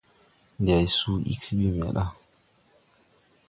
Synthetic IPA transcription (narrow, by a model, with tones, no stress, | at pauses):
nda˨jsu˦ḭ˦ksbi˦o˦˨m˨a̰˨ɗa˦